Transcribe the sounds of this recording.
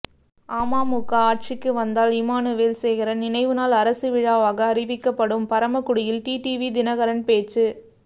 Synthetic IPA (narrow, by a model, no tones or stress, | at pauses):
ʔaːmaːmukːaaːʈ̚t͡ʃɪkːɯʋɐnd̪aːlɪmaːnɯʋeːlsɛjɣɪɾɐnɪnɐɪʋɯnaːlɐɾɐsɯʋɪɻaːʋaːɣɐːɾɪʋɪkːɐpːɐɽɯmpɐɾɐmɐkːʊɽɪjɪlʈiːʈiːʋid̪ɪnɐɣɐɾɐnpeːt͡ʃːɯ